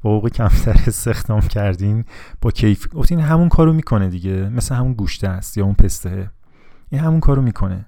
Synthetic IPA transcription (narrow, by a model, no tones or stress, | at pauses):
bɒoɣecʰæmt̪ʰæɾest̪ʰe̞xd̪̥ɒːmcʰæɾd̪inb̥ɒːcʰejfɡoft̪ininɦæmunkʰɒːɾomiːkʰo̞ned̪iɟemesleɦæmunɡuʃt̪ʰæst̪jɒːunpʰe̞st̪ehe | ʔinɦæmunkʰɒːɾomiːkʰo̞nḛ